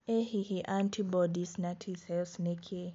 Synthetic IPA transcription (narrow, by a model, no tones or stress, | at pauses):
ehihiʔantʰibɔdisnatʰisɛlsnekʰe